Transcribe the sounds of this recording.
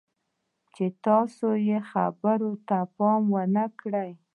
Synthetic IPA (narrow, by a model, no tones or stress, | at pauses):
t͡ʃet̪ɑsojexa̰bəɾot̪apɑmwənəkɽəj